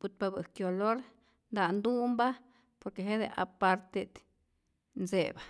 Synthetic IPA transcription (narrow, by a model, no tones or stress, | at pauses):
ut̪̚pabɨkjoloɾ | nd̪and̪umba | poɾkeɦed̪ḛʔapaɾt̪ed̪ | nseba